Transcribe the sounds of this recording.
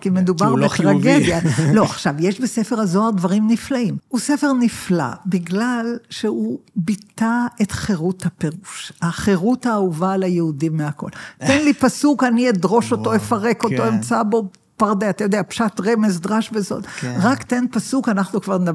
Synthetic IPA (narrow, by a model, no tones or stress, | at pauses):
kimed̪ubaʁbet̪ʁaɡed̪jalo̞aχʃavjeʃbesefeʁhazoaʁd̪vaʁimniflaimusefe̞ʁnifla̰biɡlalʃeubit̪aet̪χeʁut̪hapeʁuʃaχeʁutaːuvalajeudimːeako̞̰lt̪enlipasukanied̪ʁo̞ʃo̞t̪o̞efaʁeko̞t̪o̞emt͡sabo̞ | paʁd̪eat̪ajo̞d̪eapʃat̪ʁemezd̪ʁaʃbezo̞̰d̪ʁakt̪enpasukanaχnukvaʁn